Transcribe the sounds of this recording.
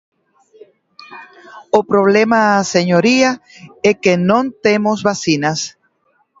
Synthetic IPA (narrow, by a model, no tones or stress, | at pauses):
opɾoβ̞lemaːseɲoɾiaekenõnt̪emozβasinas